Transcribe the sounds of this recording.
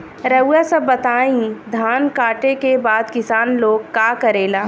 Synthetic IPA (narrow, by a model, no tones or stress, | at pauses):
ɾɐjasɐbːɐt̪aːĩd̪ʱaːnkaːʈẽkebaːd̪kɪsaːnloːɡkaːkɐɾeːlaː